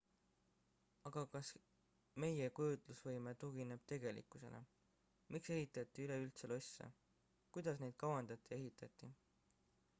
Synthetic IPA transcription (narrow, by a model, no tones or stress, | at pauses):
ɑɡ̥ɑkɑs | me̞je̞kujut̪lusvɤjmet̪uɡ̥ine̞b̥̚t̪e̞ɡe̞lḭkːˑuse̞̰lʔḛ | mʔikse̞ɦit̪ːˑɑt̪ːˑiyle̞ylt̪selo̞sʲːḛ | kujd̪̥ɑsne̞jd̪̥̚kɑwɑnd̪ɑt̪ˑːie̞ɦit̪ːˑɑt̪ːˑi